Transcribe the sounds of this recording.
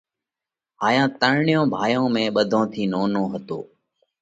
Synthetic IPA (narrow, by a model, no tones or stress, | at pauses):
ɦaːjãːt̪əɳɳɪjõːbʱaːjõːmẽːɓəd̪ʱõːt̪ʰiːnoːnõːɦət̪o̰ː